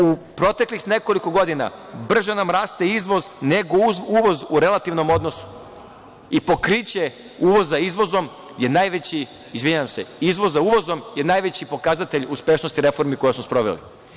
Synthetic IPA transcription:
upɾo̞t̪eklixne̞ko̞liko̞ɡo̞d̪ina̰br̩ʒenamɾaːst̪eizʋo̞zneɡouʋo̞zuɾe̞lˠat̪iʋno̞mo̞d̪no̞su̥ | ipo̞kɾit͡ɕe | uʋo̞zːaizʋo̞zo̞m | je̞najʋet͡ɕiː | zʋiɲaʋamse̞izʋo̞zauʋo̞zo̞mje̞naːjʋe̞t͡ɕipo̞kazat̪e̞ʎuspe̞ʃno̞st̪iɾe̞fo̞ɾmiko̞jsmospɾo̞ʋe̞̰lḭ

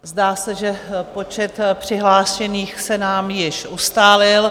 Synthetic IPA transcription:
zdaːsɛʒɛpo̞t͡ʃɛt̪pr̝̥ɪɦlaːʃɛniːxsɛnaːmjɪʃʔust̪aːlɪl

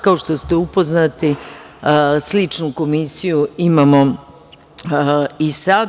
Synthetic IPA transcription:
kaoʃt̪o̞st̪eupo̞znat̪i | slit͡ʂnuko̞misijuimamo̞ | isad̪

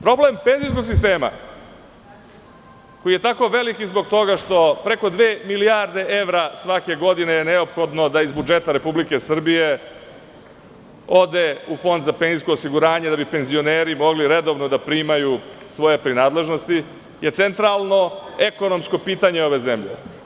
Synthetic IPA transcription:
pɾo̞ble̞mpe̞nzijs̬ko̞ɡsist̪e̞ːma̰ | ko̞jije̞t̪ako̞ʋe̞likizbo̞ɡ̚t̪o̞ɡaʂt̪o̞pɾe̞ko̞d̪ʋeːmiliaɾd̪eʔeʋɾasʋake̞ɡo̞d̪ine̞jeneopxo̞d̪no̞d̪aizbud͡ʒe̞t̪aɾe̞publike̞sr̩bije | o̞d̪eufo̞nd̪zapenzisko̞ːsiɡuɾaːɲe̞d̪abipe̞nzio̞neːɾimo̞ɡliɾe̞d̪o̞ːʋnod̪apɾiːmaju | sʋo̞je̞pɾinaːd̪le̞ʒno̞st̪i | je̞t̪sent̪ɾalˠno̞e̞kono̞msko̞piːt̪aɲeo̞ʋe̞ze̞mʎḛ

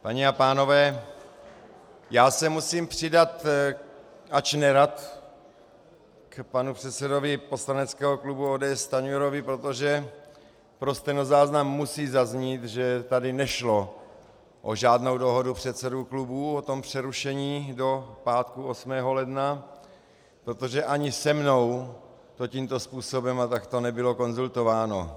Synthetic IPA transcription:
paɲɛapaːno̞vɛː | jaːsɛmusiːmpr̥ɪdat̪ | ʔat͡ʃnɛɾat̪ | kpanupr̥ɛt̪t͡sɛdo̞vɪpo̞slanɛt͡skɛːɦoklubuoːdɛːɛst̪aɲuɛɾovɪpɾo̞t̪oʒɛ | pɾost̪ɛnozaːznamːusiːzazɲiːt̪ʒɛt̪adɪnɛʃlo̞ | ʔo̰ʒaːdno̞wdo̞ɦo̞dupr̥ɛt̪sɛduklubuːot̪o̞mpr̝̥ɛɾuʃɛɲiːdo̞paːt̪kuosmɛːɦo̞lɛdna | pɾot̪o̞ʒɛʔaɲɪsɛmno̞w | t̪ociːmt̪o̞spuːso̞bɛmat̪akt̪onɛbɪlo̞ko̞nzult̪o̞vaːno̰

